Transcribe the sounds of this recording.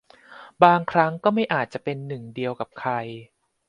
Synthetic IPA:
baː˧ŋkʰɾa˦˥ŋkɔː˥˩ma˥˩jʔaː˨˩t̪̚t͡ɕa˨˩pe˧nːɯ˨˩ŋdi˧əwka˨˩p̚kʰa˧j

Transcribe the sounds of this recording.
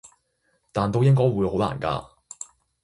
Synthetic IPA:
t̪aː˨nt̪o˥wjɪ˥ŋkɔː˥jwuː˨˧jho˨˥wla̰ː˨˩nka̰ː˧

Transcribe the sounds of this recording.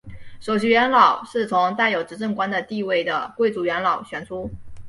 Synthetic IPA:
ʂo˨˩ʊɕy˧˥ɥɛ˧˥nlɑ˨˩˦ʊʂɻ̩˥˩t͡sʰʊ˧˥ŋt̪a˥˩ɪjo˨˩ʊʈ͡ʂɻ̩˧˥ʈ͡ʂɤ˥˩ŋkwa˥nd̪ə˨t̪i˥˧we˥˩ɪd̪ə˩kwe˥˩ɪt͡su˧˥ɥɛ˧˥nlɑ˨˩ʊɕɥɛ˨˩nt͡sʰu˥

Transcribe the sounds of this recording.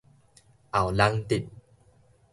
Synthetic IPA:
ʔa˨˩wla˧ŋt̪i˨˩t̪̚

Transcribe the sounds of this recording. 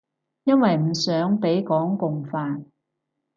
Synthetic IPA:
jɐ˥nwɐ˨jm̩˨˩sœː˨˥ŋpe˨˥jkɔː˨˥ŋkʊ˨ŋfaː˨n

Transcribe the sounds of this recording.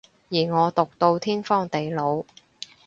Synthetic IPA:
jiː˨˩ŋɔː˨˧t̪ʊ˨k̚t̪o˧wt̪ʰiː˥nfɔː˥ŋt̪e˨jlo˨˧w

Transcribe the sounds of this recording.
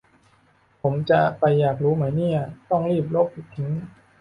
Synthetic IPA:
pʰo˩˦mt͡ɕa˨˩pa˧jːaː˨˩k̬̚ɾuː˦˥maː˩˦jni˥˩ɐt̪ɔ˥˩ŋɾiː˥˩p̚lo˦˥˩p̚pʰi˨˩t̪ʰːi˦˥ŋ

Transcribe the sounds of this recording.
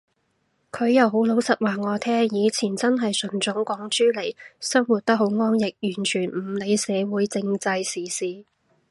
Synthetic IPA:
kʰɵ˨˧ɥjɐ˨˧who˨˥wlo˨˥wsɐ˨t̚waː˨ŋɔː˨˧t̪ʰɛː˥jiː˨˧t͡sʰiː˨˩nt͡sɐ˥nɦɐ˨jsɵ˨˩nt͡sʊ˨˥ŋkʷɔː˨˥ŋt͡ʃyː˥le˨˩jsɐ˥ŋwuː˨˩t̚t̪ɐ˥k̚ɦho˨˧˥wŋɔː˥njɪ˨k̚jyː˨˩nt͡ʃʰyː˨˩n̩˨˩le˨˧jsɛː˨˧wuː˨˥jt͡sɪ˧ŋt͡sɐ˧jsiː˨˩siː˨˧

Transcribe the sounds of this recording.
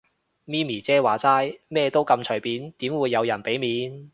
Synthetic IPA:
miː˥miː˨˩t͡sɛː˥waː˨t͡saː˥jmɛː˥t̪o˥wkɐ˧mt͡ʃʰɵ˨˩jpiː˨˥nt̪iː˨˥mwuː˨˧jːɐ˨˧wjɐ˨˩npe˨˥jmiː˨˧n

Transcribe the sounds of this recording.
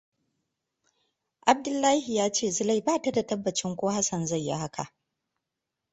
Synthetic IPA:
ʔa˨b̚dʊ˦lːaː˦hi˨jaː˦t͡ʃeː˦˨zɪ˦la˦˨jbaː˦˨ta˨da˨tɐ˦bːɐ˨t͡ʃɪ˦ŋkʷoː˦ha˦sɐ˨nza˦˨jːa̰˦ha˦kʰa̰˨ʔ

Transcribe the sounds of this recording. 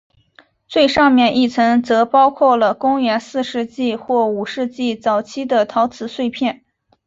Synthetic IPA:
t͡swe˥˧ɪʂɑ˥˧ŋmjɛ˥˧ni˥˩t͡sʰɤ˧˥ŋt͡sɤ˧˥pɑ˥ʊkʰwɔ˥˩lə˩kʊ˥ŋɥɛ˧˥nsɹ̩˥˧ʂɻ̩˥˧t͡ɕi˥˧xwɔ˥˩u˨˩ʂɻ̩˥˧t͡ɕi˥˩t͡sɑ˨˩ʊt͡ɕʰi˥d̪ə˨t̪ʰɑ˧˥ʊt͡sʰɹ̩˨˩swe˥˧ɪpʰjɛ˥˩n

